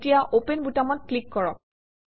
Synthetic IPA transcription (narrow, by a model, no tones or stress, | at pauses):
tijaʔopenbutamɔt̚klikːɔɹɔk̚